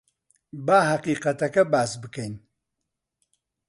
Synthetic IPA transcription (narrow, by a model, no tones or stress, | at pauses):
baːɦɐqiːqɐt̪ɐkɐbaːsbɨkejn